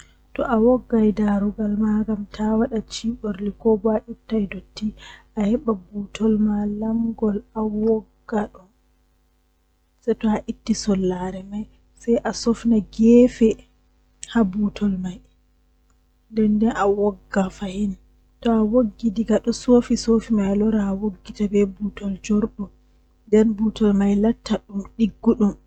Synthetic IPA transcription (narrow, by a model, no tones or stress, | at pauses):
tɔʔawɔɡːajdaɾuɡalmaɡamtʰawaɗat͡ʃiːɓoɾlikɔbaʔitːajdotːiʔahɛɓabutʰɔlmalamɡɔlawɔɡːaɗɔn | sajtɔaʔitːisɔlːaɾɛmaj | sajʔasɔfnaɡɛfɛ | habutʰɔlmaj | ndɛndɛnawɔɡːafahin | tɔawoɡːidiɡaɗɔsoːfisoːfimajalɔɾaːwoɡːitabɛbutɔld͡ʒɔɾɗɔ | ndɛnbutɔlmajlatːaɗumɗiɡːuɗum